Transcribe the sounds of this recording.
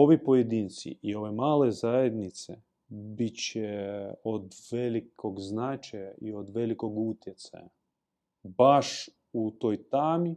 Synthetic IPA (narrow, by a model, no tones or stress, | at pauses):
o̞ʋipo̞jed̪iːnt̪sḭʔio̞ʋemaːle̞zajed̪nit̪se | bit͡ɕeod̪ʋelikʰoɡznat͡ʃajaiod̪ʋe̞liko̞ɡut̪jet̪sa̰ja | baʃ | ut̪o̞ːjt̪aːmi